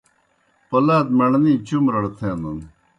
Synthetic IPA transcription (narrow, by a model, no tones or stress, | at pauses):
pɐlaːd̪̚mɐɳnĩːt͡ɕumɾɐɽt̪ʰẽːnd̪un